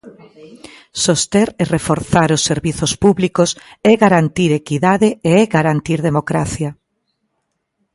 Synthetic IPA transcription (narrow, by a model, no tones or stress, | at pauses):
sost̪eɾerefoɾθaɾʊsːeɾβiθospuβlikosɛɣaɾant̪iɾekiðaðeeɛɡaɾant̪iɾðemokɾaθja